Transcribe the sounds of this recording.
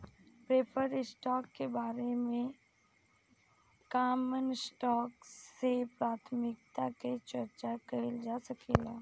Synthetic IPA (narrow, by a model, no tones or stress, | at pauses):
pɾeːpʰəɾɪsʈɔːkːebaːɾemẽ | kaːmənsʈɔːksepɾaːt̪ʰmɪk̚t̪aket͡ʃɐɾt͡ʃakɐɦɪld͡ʒaːsɐkʰeːlaː